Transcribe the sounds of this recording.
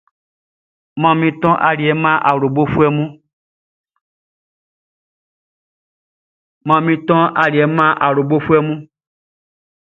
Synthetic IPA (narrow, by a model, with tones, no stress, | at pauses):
mã˨mĩ˦t̪ɔ̃˦ʔa˨li˨ɛ˨mã˦ʔa˨ɾo˨bo˦fu˦ɛ˦mũ˦ | mã˨mĩ˦t̪ɔ̃˦ʔa˨li˨ɛ˨˦mã˦ʔa˨lo˨bo˦fu˦ɛ˦mũ˦